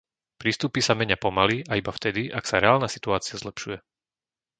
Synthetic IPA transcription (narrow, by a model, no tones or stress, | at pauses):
pɾiːst̪upisamɛɲapɔmaliʔaibaft̪ɛd̪iʔaksaɾɛaːlnaːsi̥t̪uaːt͡siazlɛpʃujɛ